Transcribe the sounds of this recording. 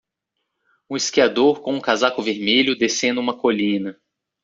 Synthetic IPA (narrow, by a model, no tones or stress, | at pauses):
ũiskiad̪oɾkõũkazakʊveɾmeʎʊd̪esẽnʊũmɐkoʎĩnɐ